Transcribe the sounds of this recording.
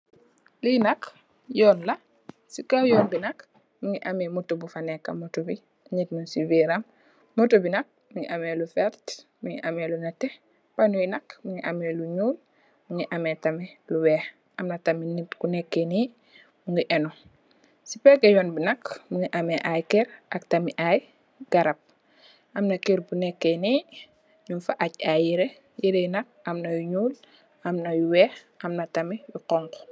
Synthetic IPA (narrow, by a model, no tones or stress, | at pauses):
linɐk | jɔːnlɐ | sikawjɔːnbinɐk | muŋiʔamɛmutːubufanɛkːɐ̰mutubi | aɲitnunsiviɾɐmː | utobinɐk̚muŋḭʔamelufɛlt | muŋḭʔamelunɐtːɛ | panujinɐkmuŋɡiʔameluɲuːl | muŋiʔamɛtɐmɛluwɛːh | ʔɐmnɐtaminitkunɛkːeni | muŋɡiʔɛnɔ | sipɛɡɐjɔnbinɐkmuŋiʔameʔajkɛɾʔaktamiʔaj | ɡ̥aɾɐp̚ | ʔɐmnɐkiɾbunɛkːeni | ɲunfaʔaɟajiɾe | jiɾejinɐk̚amnɐjuɲuːl | ʔamnɐjuwɛːxʔamnɐtɐmijuqɔŋkɔ̥